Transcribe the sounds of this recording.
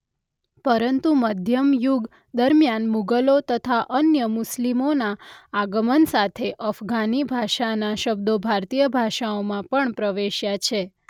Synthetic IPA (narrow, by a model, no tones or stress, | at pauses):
pəɾənt̪uməd̪ʱjəmjuɡ | d̪əɾmjanmuɡəlot̪ət̪ʰaʔənjəmuslimonaːɡəmənsat̪ʰeʔəfɡanibʱaʃanaʃəbd̪obʱaɾt̪ijəbʱaʃaomãpəɳpɾəʋeʃjat͡ʃʰe